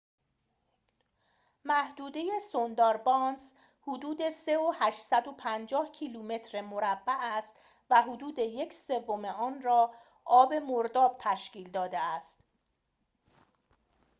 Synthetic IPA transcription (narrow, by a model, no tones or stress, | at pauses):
mæhd̪uːd̪eje̞sond̪ɒːɾbɒns | hod̪uːd̪e̞se̞ohæʃsæd̪o̞pʰænd͡ʒɒːhcʰiːluːme̞t̪ʰɾemoɾæbːæʔæst̪ | væɦod̪uːd̪e̞je̞cʰse̞vːo̞meɒːnrɒː | ʔɒːbe̞moɾd̪ɒːb̥̚t̪ʰæʃciːld̪ɒːd̪eæst̪